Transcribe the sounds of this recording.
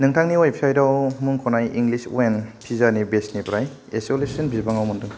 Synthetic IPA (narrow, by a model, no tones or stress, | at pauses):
nɯŋtʰaŋniɔjpʰisajdawmɯŋkʰɔnajiŋɡlisṵenpʰizanibesnipɾaj | esolesɯnbʱizbaŋawmɯndɯŋ